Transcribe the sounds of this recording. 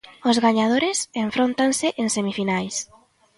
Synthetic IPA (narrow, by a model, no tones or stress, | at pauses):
ʊzɣaɲað̞oɾɪseɱfɾont̪ansɪʔeŋsemifinajs